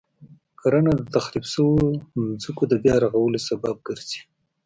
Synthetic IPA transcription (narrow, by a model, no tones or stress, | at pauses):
kaɾanad̪ət̪axlibsəwozukod̪əbjɑɾaɣawəlosabab̚ɡəɾzi̥